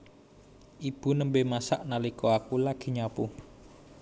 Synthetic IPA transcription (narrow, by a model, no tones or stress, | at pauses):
ʔib̥ṳnəmbemasaʔnalikɔakulaɡ̥i̤ɲapu